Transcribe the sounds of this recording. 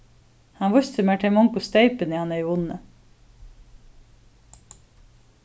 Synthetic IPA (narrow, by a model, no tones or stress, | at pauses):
hɑnʋʊçt̪ʰəmeːʈʰɛmɔŋkʊst̪œɪpəniːhɑnəiːʊnə